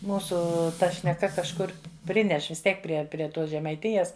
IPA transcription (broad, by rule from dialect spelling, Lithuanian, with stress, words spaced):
ˈmuːsʊ ˈtɐ ʃʲnʲɛˈkɐ kɐʃˈkʊr ˈpʲrʲɪnʲɛʃ ʋʲɪs ˈtʲiɛk ˈpʲrʲiɛ pʲrʲiɛ ˈtoːs ʒʲɛmɐɪˈtʲɪjɛs